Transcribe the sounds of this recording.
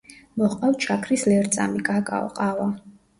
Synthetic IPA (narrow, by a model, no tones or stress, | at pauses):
mɔχqʼawt͡ʃʰakʰɾislɛɾt̪sʼa̰mikʼakʼa̰ɔ̰qʼava